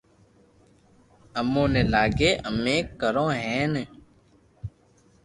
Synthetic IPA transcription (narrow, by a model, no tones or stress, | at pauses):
əmõːneːlaːɡeːʔəmẽːkəɾõːɦɛ̃ːne